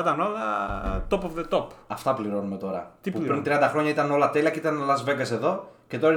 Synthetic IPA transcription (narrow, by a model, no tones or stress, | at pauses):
ɐt̪ɐno̞lɐt̪opovðet̪opɐft̪ɐpliɾo̞nume̞t̪o̞ɾɐ̰t̪pupɾint̪ɾiɐnd̪ɐxɾo̞ɲɐit̪ɐno̞lɐt̪eliɐceit̪ɐnlɐzve̞ɡɐse̞ðo̞ce̞t̪oɾi